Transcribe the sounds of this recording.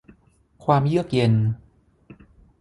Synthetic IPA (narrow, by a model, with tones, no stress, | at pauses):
kʰwaː˧mjɯ˥˩ək̚je˧n